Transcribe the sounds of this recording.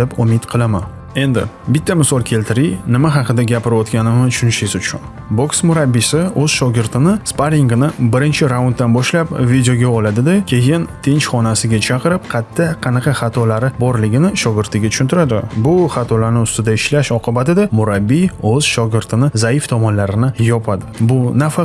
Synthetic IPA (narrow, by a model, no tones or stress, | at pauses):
ɪpʊmɪt̪qʰɨlˠama | e̞nd̪ɪ̰ | bɪt̪ʰːamɪsɒlˠkʲʰe̞lt̪ʰɪɾijnɪmaɦɑqɨd̪aɡʲapɪɾvɒt̪kʲanɪmɪt̪ʰʊ̥ʃʊnɪʃɪzʊt͡ʃʰʊ̰n | boksmʊɾabːisɪɵz̥ʃɒɡʲɪɾt̪ʰɪnɪspaɾiŋɡɪnɪbɪɾɪnt͡ʃʰɪɾaʊnt̪̚d̪anbɒʃlapvid̪ejo̞ɡʲaɒlad̪ɪd̪akʲʰe̞jɪnt̪ʰɪnt͡ʃχɒnasɪɡʲat͡ʃʰɑqʰɨɾɪp̚qʰɑt̪ʰːɪqʰɑnɑqʰɑχɑt̪ʰɒlaɾɪbɒɾlɪɡʲɪnɪʃɒɡʲɪɾt̪ʰɪɡʲat͡ʃ̪ʰʊ̥ʃʊnt̪ʰɪɾad̪ɪbʊχɑt̪ʰɒlaɾnɪʊst̪ɪd̪aɪʃlaʃɒqʰɨbat̪ɪd̪amʊɾabːioz̥ʃɒɡʲɪɾt̪ʰɪnɪzaift̪ʰɒmɒnlaɾɪnɪjɒpʰad̪ɪbʊnafa